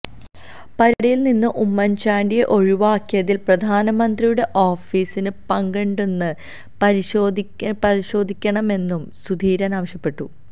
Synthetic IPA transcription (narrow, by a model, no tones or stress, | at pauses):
pɐɾuɽɐjilninːɨʔumːɐnt͡ɕaːɳɖijeʔo̞ɻiʋaːkːijɐðilprɐd̪ʱaːnɐmɐnd̪rijuɽe̞ʔo̞ːfiːsinɨpɐŋɡeɳɖenːɨ | pɐɾiɕoːd̪ʱipɐɾiɕo̞ːd̪ʱikʲːɐɳɐme̞nːumsud̪ʱiːɾɐnaːʋɐɕjɐpːe̞ʈːu